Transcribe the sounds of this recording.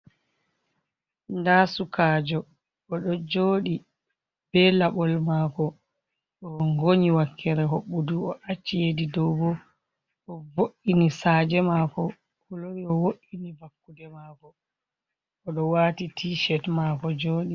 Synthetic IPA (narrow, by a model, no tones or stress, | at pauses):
ndasukaːd͡ʒɔ | ɔɗɔd͡ʒoːɗi | b̥ɛlaɓɔlmaːkɔ | ɗɔŋɡoɲiwakʰːɛɾɛɦoɓːuduɔʔat͡ʃːijedidɔwbɔ | ʔɔvoʔːinisaːd͡ʒɛmakɔ | kɔloɾiɔwoʔːinibakːudɛmaːkɔ | ɔɗɔwaːtitʰiːʃɛtmaːkɔd͡ʒoːɗi